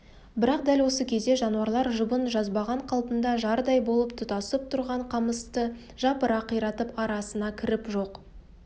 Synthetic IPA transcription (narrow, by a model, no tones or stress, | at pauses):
bɪɾɑq̚d̪ælwo̞səkʲʰe̞zd̪e̞ʒɑnuɑɾlˠɑɾʒʊbənʒɑzbɑʁɑɴqʰɑlˠpənd̪ɑʒɑɾd̪ɑjbo̞lˠəpt̪ʰət̪ɑsəp̚t̪ʰʊɾʁɑɴqʰɑməst̪ə | ʒ̥ɑpəɾɑqʰijɾɑt̪əpɑɾɑsənɑkʲʰɪɾɪpʒo̞q